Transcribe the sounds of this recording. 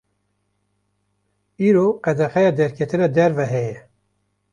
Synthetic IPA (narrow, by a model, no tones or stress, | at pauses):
iːɾoqɛd̪ɛxɛjɑːd̪ɛɾkʰɛt̪ɨnɑːd̪ɛɾvɛɦɛjɛ